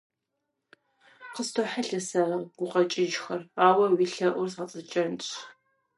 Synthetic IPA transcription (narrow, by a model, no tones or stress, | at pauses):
qəstʰoħaɬɐsaɡʷʊqʼɐt͡ʃʼɪʒxɐraːwɐwiɬɐʔʷʊrsɐt͡sʼɨt͡ʃʼɐnt͡ɕʰʼ